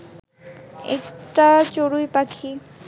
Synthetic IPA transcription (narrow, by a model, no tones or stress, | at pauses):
ḛkʈat͡ɕoɾujpakʰi